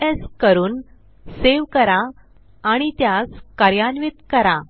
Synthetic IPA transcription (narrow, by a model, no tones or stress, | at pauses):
eskəɾuːn | seʋkəɾaː | ɽ̃it̪jaskaɾjanʋit̪kəɾa